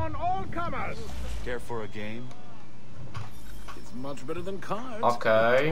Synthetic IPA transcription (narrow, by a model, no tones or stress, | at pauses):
ə̃nɔlˠkʰʌmə˞z̥ | kʰɛɹfə˞ɨɡẽɪ̃m | ɨtsmʌt͡ʃb̥ɛɾə˞ðə̃nkʰa | okʰe